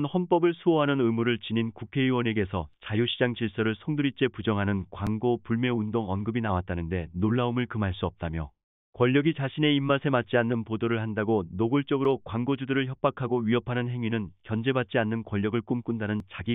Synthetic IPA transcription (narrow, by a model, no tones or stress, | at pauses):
nhʌnp͈ʌbɯɭsʰuʌɦanɯnɯmuɾɯɭt͡ɕininkukʰe̞iwʌne̞ɡe̞sʰʌt͡ɕajuɕʰid͡ʑaŋt͡ɕiɭs͈ʌɾɯɭsʰʌŋduɾit͡ɕ͈e̞pud͡ʑʌŋɦanɯnkwaŋɡopuɭmjʌundoŋʌnɡɯbinawat̚t͈anɯnde̞noɭːaumɯɭkɯmaɭs͈uʌp̚t͈amjʌ̰ | kwʌʎːʌɡit͡ɕaɕʰine̞imːasʰe̞mat̚t͡ɕ͈ianːɯnpodoɾɯɭhandaɡonoɡuɭt͡ɕ͈ʌɡɯɾokwaŋɡod͡ʑudɯɾɯɭçjʌp̚p͈akʰaɡoɥiʌpʰanɯnɦe̞ŋɥinɯnkjʌnd͡ʑe̞bat̚t͡ɕ͈ianːɯnkwʌʎːʌɡɯɭk͈umk͈undanɯnt͡ɕaɡi